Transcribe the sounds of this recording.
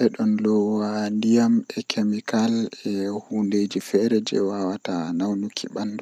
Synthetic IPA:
ʔɛɗɔnlɔwandijamɛkʰemikalɛhuːnded͡ʒifɛɾɛd͡ʒɛ̰wawatanawnukʰːḭɓanːdɔ

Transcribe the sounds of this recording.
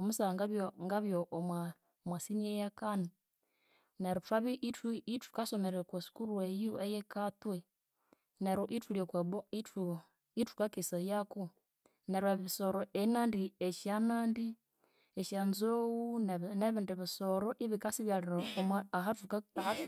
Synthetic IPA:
omusaŋɡaβjoŋɡaβjoʔmwa | mwasiniejakani | neɾutwaβiʔituitu̥kasomeɾekwosi̥kuɾwejuejekatwe | neɾoʔituliokweβoiu | itu̥kakisajaku | neɾweββisoɾoʔenandieʃjanaːndi | eʃanzowunneβindiβisoɾoʔiβikasiβjaliɾaouha

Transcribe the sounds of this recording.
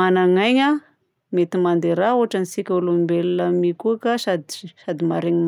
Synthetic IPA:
anaŋajɲa | met̪imand̪eɾauɦaʈ͡ʂanisikʲaulumimbellamikuakasad̪i̥sad̪imaɾeɲim

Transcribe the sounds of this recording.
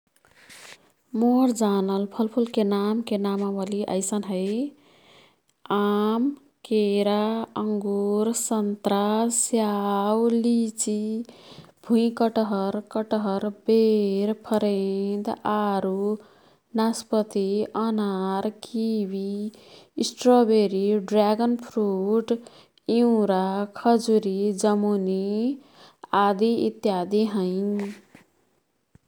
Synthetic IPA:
moɾd͡ʒanəlpʰəlpʰulkenamkenamaməliʔə̰ɪsənɦəj | am | keɾaəŋɡuɾsənt̪ɾasjawlit͡ʃi | bʱũĩkəʈɦəɾkəʈɦəɾbeɾpʰʌɾed̪aɾu | naspʌt̪iʌnaɾkʰibiː | sʈrɔbeɾiɖɾaɡʌnpʰɾuʈ | iũɾakʰʌd͡zuɾid͡zʌmuni | ad̪iḭt̪jad̪iɦʌj

